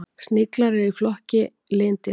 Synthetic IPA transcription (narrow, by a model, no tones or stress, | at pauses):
st̪nɪklaɾɪɾiflɔhcɪ | leːnt̪ɪ